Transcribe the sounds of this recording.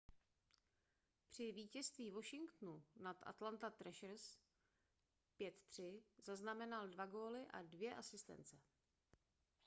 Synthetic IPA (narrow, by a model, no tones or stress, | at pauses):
pr̝̥ɪviːcɛst̪viːvo̞ʃɪŋkt̪nunat̪ʔa̰t̪lant̪at̪ɾɛʃr̩s | pjɛt̪t̪r̝̥ɪzaznamɛnaldvaɡo̞ːlɪʔa̰dvjɛʔasɪst̪ɛ̰nt͡sɛ